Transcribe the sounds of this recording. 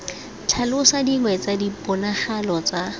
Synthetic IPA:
t͡ɬʰalʊsadiŋwɛt͡sadipʊnaχalɔt͡sa

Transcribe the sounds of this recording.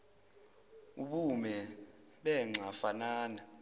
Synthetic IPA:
uɓumɛ | ɓɛŋ͡ǀʱafanaːna

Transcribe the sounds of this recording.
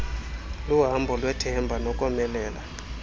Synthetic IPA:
luɦambʱɔlwɛtʰɛmbʱanɔkʼɔmɛlɛːla̰

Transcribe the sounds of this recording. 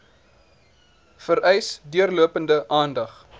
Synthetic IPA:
fəɾɛjsdyərluəpəndəʔɑːndɐχ

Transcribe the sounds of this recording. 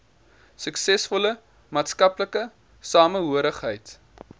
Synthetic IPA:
səksɛsfɔlə | mɑːtskɐpləkə | sɑːməɦuəɾəχɦəjt

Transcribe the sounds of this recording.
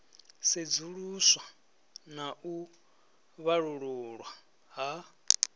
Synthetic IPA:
sed͡zuɺuswa | naʔu | βaɺuɺuɺwa | ɦa

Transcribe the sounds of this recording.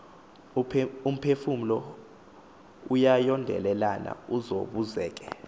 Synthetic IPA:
um̩pʰefum̩lɔ | ujajɔndʱɛ̰lɛlana̰uzo̰ɓuzɛːk̬ɛ

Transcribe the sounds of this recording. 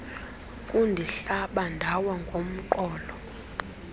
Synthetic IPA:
kʼundʱiɬaɓandʱawaŋɡʱom̩ǃɔːlɔ

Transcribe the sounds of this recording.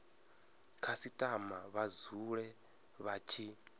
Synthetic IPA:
kʰasitʼamaβazuɺɛ | βat͡ʃʰi

